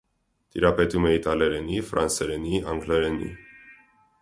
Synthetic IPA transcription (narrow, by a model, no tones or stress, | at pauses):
t̪iɾɑpɛt̪umɛit̪ɑlɛɾɛnifɾɑ̰nsɛɾɛniɑŋɡlɛɾɛnḭ